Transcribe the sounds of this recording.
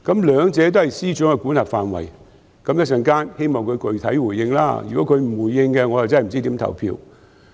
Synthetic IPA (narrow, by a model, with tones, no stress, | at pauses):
kɐ˨˥mlœː˨˧ŋt͡sɛː˨˧t̪̬o˥hɐ˨jsiː˥t͡ʃœː˨˥ŋkɛ˧kuː˨˥nhaː˨p̚faː˨nwɐ̰˨˩j | kɐ˨˥mjɐ˥sɐ˧nkaː˥nhe˥jmɔː˨wkʰɵ˨˧ɥkɵ˨˧ɥt̪ʰɐ˨˥jwuː˨˩jːɪ˧ŋla̰ː˥jy̰˨kɔː˨˥kʰɵ˨˧ɥm̩˨˩wuː˨˩jːɪ˧ŋkɛ˧ŋɔː˨˧ja˨wt͡sm̩˨˩t͡si˥t̪iː˨˥mt̪ʰɐ̰˨˩wpʰḭː˧˥w